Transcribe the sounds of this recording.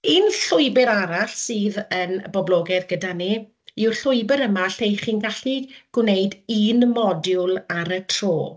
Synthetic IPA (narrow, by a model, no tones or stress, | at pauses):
inɬʊɨbɪɾaɾaɬsɨːðənbɔblˠoːɡɛðɡədani | ɪwrɬʊɨbəɾəmaɬejχiːnɡaɬniɡ̥wneɨdiːnmɔdjʊlˠaɾətʰr̥oː